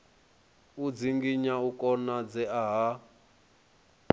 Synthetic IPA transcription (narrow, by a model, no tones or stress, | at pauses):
ud͡ziŋɡiɲaukʼɔnad͡zɛaɦa